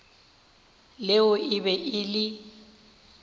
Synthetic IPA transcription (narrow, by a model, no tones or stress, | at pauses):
leʊʔɪbɛʔɪlɪ